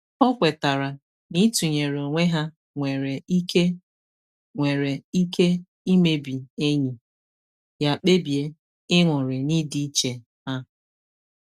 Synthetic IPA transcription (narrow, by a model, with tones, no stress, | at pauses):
ɔ˦kʷe˨ta˨ɾa˨ | ni˦tu˨ɲe˨ɾo˨ŋʷe˦ɦa˦ | ŋʷe˨ɾe˨i˦ke˦ | ŋʷe˨ɾe˨i˦ke˦ | i˦me˦bi˨e˦ɲi˨ | ja˨k͡pe˦bje˦ | ɪ˦ŋʷʊ˨ɾɪ˨ni˦di˦t͡ʃe˨ | ɦa˦